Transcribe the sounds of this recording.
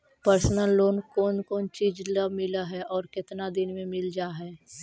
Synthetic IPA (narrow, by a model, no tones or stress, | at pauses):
pəɾsnəlːoːnkɔːnkɔːnt͡ʃiːd͡ʒləbmɪlaɦɛʔɔːɾkɪt̪nad̪ɪnmẽmɪld͡ʒaːɦɛː